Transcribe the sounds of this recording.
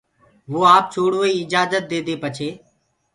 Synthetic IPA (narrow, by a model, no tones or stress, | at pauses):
ʋoːaːp̚t͡ʃʰoːɽʋoiːɪd͡ʒaːzət̪̚d̪eːd̪eːpət͡ʃʰeː